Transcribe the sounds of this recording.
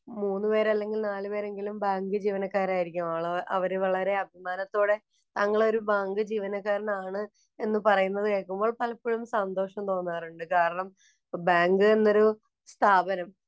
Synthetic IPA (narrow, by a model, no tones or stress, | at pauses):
muːnːɨpe̞ːɾɐlːe̞ŋɡilnaːlɨpe̞ːɾe̞ŋɡilumbaːŋɡɨd͡ʑiːʋɐnɐkːaːɾaːjiɾikʲːumaɭʔɐ̰ʋɐɾeʋɐɭɐɾe̞ɐbʱimaːnɐt̪ːoːɽe̞ | t̪aːŋːɐɭo̞ɾubaːŋɡɨd͡ʑiːʋɐnɐkːaːɾɐnaːɳɨ | e̞nːɨpɐrɐjunːɐðɨkeːɭkːumbo̞ːɭpɐlɐpːiɻumsɐnd̪o̞ːʂɐmt̪o̞ːnːaːɐruɳɖɨkaːɾɐɳɐm | baːŋɡɨe̞nːo̞ɾu | st̪ʰaːbɐnɐm